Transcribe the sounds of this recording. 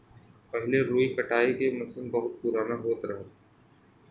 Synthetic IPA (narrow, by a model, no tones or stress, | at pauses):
pɛɦleɾoːikɐʈaːikemɐsənbɐɦʊt̪̚pʊɾaːnaɦoːt̪ɾɐɦe